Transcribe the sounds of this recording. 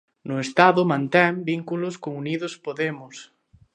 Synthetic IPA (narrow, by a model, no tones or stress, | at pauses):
nʊest̪aðʊmãnt̪ɛmbiŋkulʊskoŋuniðʊspoðemʊs